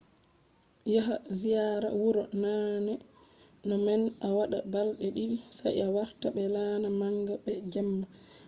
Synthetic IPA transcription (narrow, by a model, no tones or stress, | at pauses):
jaɦazijaɾa̰wuɾɔnanɛ | nɔmɛnawaɗa̰balɗɛɗisa̰jawaɾtaɓɛlaːnamaŋɡabɛd͡ʒamːa